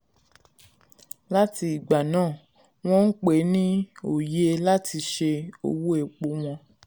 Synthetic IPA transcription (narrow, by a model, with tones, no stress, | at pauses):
la˦ti˧i˨ɡ͡ba˨nãː˦˨ | w̃ɔ̃˦n̩˦k͡pe˨˦nĩ˦o˨je˦la˦tʰi˧ʃe˧o̰˧wu˦e˨k͡po˧˦w̃ɔ̃˧